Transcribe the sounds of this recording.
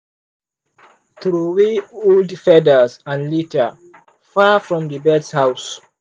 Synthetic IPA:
θɹuwioldfɛdəzãnlitə | fafɹɔ̃mdəbɛdshaʊs

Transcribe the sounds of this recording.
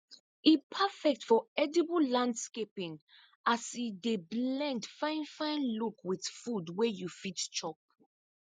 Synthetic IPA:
ipʰafɛk̚tfɔɛdɛbəlãndskepĩŋ | asideblɛ̃ndfãɪ̃nfãɪ̃nlukwiθfudwɛjufitt͡ʃɔp̚

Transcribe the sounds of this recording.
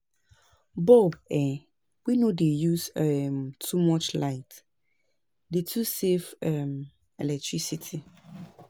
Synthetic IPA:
bobɛ | winodejusɛmtʰumɔt͡ʃlaɪt | detʰusefɛm | ɛlɛk̚tʰɹisitʰi

